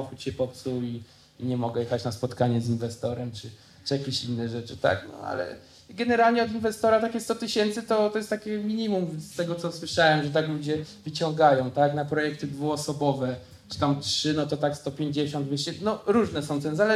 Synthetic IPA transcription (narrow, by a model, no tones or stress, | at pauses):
ɔxut͡ɕɕɛpɔt̪sui | iɲɛmɔɡɛjɛxat͡ɕnaspɔt̪kaɲɛzinvɛst̪ɔɾɛmt͡ʂɘ | t͡ʂɨjakʲeɕinːɛʐɛt͡ʂɘt̪a̰knɔ̰a̰lɛ̰ | ɡɛnɛɾalɲɛɔd̪invɛst̪ɔɾat̪akʲɛst̪ɔt̪ɘɕɛnt̪sɘt̪ɔt̪ɔjɛst̪akʲɛmʲiɲimumst̪ɛɡɔt̪sɔswɘʂawɛmʐɛt̪aklud͡ʑɛvɘt͡ɕɔŋɡajɔ̃w̃t̪aknapɾɔjɛk̚t̪ɘd̪vuɔsɔbɔvɛ | t͡ʂɨ̥t̪amtʂɘnɔt̪ɔt̪akst̪ɔpʲjeɲd͡ʑeɕɔnt̪vʲɛɕt͡ɕɛnɔɾuʐnɛsɔ̃w̃t̪ɛnzalɛ